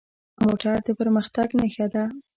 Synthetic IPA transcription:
moʈaɾd̪əpəɾməxt̪aɡnaxad̪a

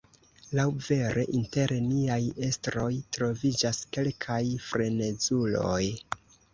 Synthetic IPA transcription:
lawve̞ɾe̞̰ʔinte̞ɾniaje̞stɾo̞jtɾo̞vid͡ʒaske̞lkʰajfɾe̞ne̞zulo̞̰j

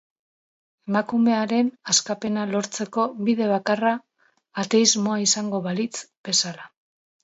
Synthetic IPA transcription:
e̞makume̞aɾe̞naskape̞nalo̞ɾt͡se̞ko̞βiðe̞β̞akaraː | t̪e̞izmo̞aisaŋɡo̞βalit͡sb̥e̞sala

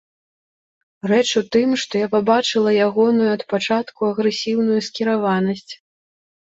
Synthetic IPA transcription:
rɛt͡ʂut̪ɨmʂt̪ɔjapabat͡ʂɨlˠɐjaɣɔnujuɐt̪pat͡ʂat̪kuɐɣɾɛsʲiwnujuskʲiɾavanɐsʲt͡sʲ

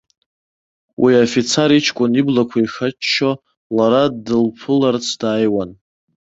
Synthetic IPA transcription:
wʔiafit͡sʰaɾit͡ʃʰkʷʼʊniblakʷʰaixat͡ʃːo | laɾadɨlpʰɨlart͡sʰd̥aːjwan

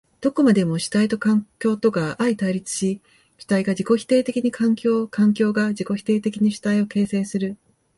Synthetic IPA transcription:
d̪̥o̞ko̞mad̪e̞mo̞ɕi̥t̪ait̪o̞kãŋkʲo̞ːt̪o̞kaʔait̪aiɾʲit͡sɨ̥ɕi | ɕi̥t̪aiɡad͡ʑiko̞çi̥t̪e̞ːt̪e̞kʲiɲ̟ikʰãŋkʲo̞ːkʰãŋk̬ʲo̞ːɡaʑiko̞çi̥t̪e̞ːt̪e̞kʲiɲ̟iɕi̥t̪aio̞ke̞ːse̞ːsɨɾɯ̟

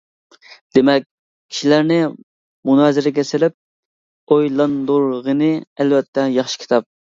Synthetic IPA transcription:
d̪̥emɛkʲ | kʲʰi̥ʃilæɾnɪ | munɑzɪɾɪɡʲɛsɪlɪp̚ | ojlˠɑnd̪uɾʁənɪɛlvɛt̪ʰːɛjɑχʃi̥kʲʰt̪ʰɑp̚

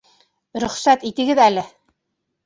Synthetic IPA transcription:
ɾɵ̆χsæt̪it̪ɘ̆ɡɘðælɘ

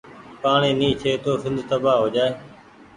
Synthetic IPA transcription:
paːɳeːnĩːt͡ʃʰeːt̪oːsɪ̃nd̪ʱt̪əbaːɦoːd͡ʒaːeː

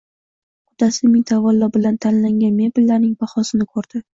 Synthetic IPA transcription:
qʊd̪asɪmɪnt̪ʰavɒlːɒbɪlant̪ʰanlaŋɡʲanme̞bɪlːaɾnɪŋbaχɒsɪnɪkʰɵɾd̪̥ɪ

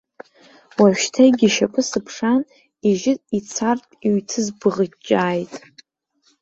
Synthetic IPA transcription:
waʃᶣtʰajɡʲiʃapʼɨsɨpʰʂan | iʒɪit͡sʰartʼiɥtʰɨzbɨʁət͡ʃʼːaːjtʼ

